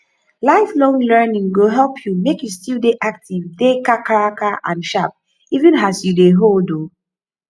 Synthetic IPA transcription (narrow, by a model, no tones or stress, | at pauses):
laɪflɔ̃ŋlɜ˞nĩŋɡoɦɛlpʰjumekjustildeʔak̚tivdekakaɹakaʔã̰nʃap̚ | ivɨ̃nasjudeɦoldo